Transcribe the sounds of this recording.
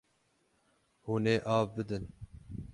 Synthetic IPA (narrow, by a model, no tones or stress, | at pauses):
huːneːʔɑːvbɨd̪ɨn